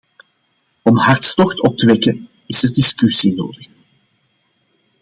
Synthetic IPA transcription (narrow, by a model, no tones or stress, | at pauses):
ɔmhɑrtstɔxtɔp̚təʋɛkən | ɪsərdɪskysino̰ːdəx